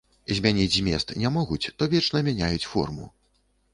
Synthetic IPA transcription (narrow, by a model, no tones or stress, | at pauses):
zʲmʲanʲid͡zʲzʲmʲɛst̪nʲamɔɣut͡sʲt̪ɔvʲɛt͡ʂnɐmʲanʲajut͡sʲfɔ̰rmṵ